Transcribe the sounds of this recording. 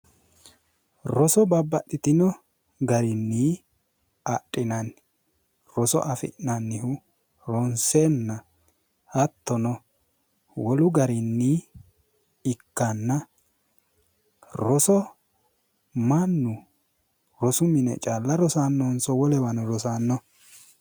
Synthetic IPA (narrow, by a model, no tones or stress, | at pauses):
ɾɔsɔbɐbːɐɗɪt̪ɪnɔ | ɡɐɾɪnːiː | ɐɗʼːɪnɐn | ɾɔsɔ̰ʔɐfɪ̰ʔnɐnːɪhʊ | ɾɔnseːnːɐ | hɐt̪ːɔnɔ | wɔlʊɡɐɾɪnːi | ɪkːanːɐ | ɾɔsɔ | mɐnːʊ | ɾɔsʊmɪnɛ̰t͡ʃʼaːlːɐɾɔsaːnːɔnsɔwɔlɛwɐnɔɾɔsaːnːɔ